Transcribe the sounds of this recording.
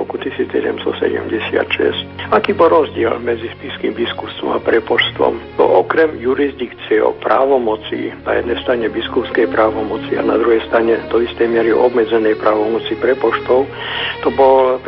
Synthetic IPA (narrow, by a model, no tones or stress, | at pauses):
ɾɔkut̪isiːt͡ssɛ̰ɟɛ̰mst̪ɔ̰sɛ̰ɟɛ̰mɟɛsɪa̰t̪ʃɛ̰scakiːbɔlɾɔzɟɪɛlmɛd͡zispiskiːmbiskupst̪ʋɔ̰mapɾɛpɔʃst̪ʋɔ̰mnɔ̰ʔɔkɾɛmjuɾizd̪ikt͡siɛɔ̰pɾa̰ːʋɔmɔt͡sḭna̰jɛd̪nɛjst̪ɾaɲɛbiskupskɛjpɾaːʋɔmɔt͡sia̰na̰d̪ɾuɦɛjst̪ɾaɲɛd̪ɔist̪ɛjmɪɛɾiɔbmɛd͡zɛnɛjpɾaːʋɔmɔt͡sipɾɛpɔʃt̪ɔʊ | t̪ɔbɔl